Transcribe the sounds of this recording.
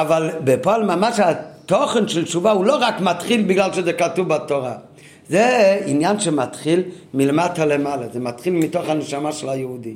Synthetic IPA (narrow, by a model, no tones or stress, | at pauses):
avalbepoalmamaʃat̪oχenʃelt͡ʃuvauloʁakmatχilbiɡlalʃezɛkatuvbatoʁa | zeinjanʃemat̪χil | milematalemalazemat̪χilmitoχhaneʃamaʃelajeudi